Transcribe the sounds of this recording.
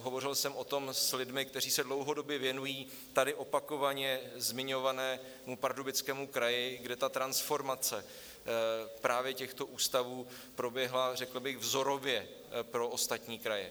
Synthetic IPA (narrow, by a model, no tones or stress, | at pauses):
ɦo̞vo̞r̝ɪlsɛmʔo̞t̪o̞mslɪdmɪk̚t̪ɛɾriːsɛdlowɦo̞do̞bjɛvjɛnujiː | t̪adɪʔo̞pako̞vaɲɛzmɪɲo̞vanɛː | mupaɾdobɪt͡skɛːmukɾajɪɡdɛt̪at̪ɾansfo̞ɾmat͡sɛ | pɾaːvjɛcɛxt̪o̞ʔuːst̪avuː | pɾo̞bjɛɦlarɛkl̩bɪɣvzo̞ɾo̞vjɛ | pɾo̞ost̪at̪ɲiːkɾajɛ̰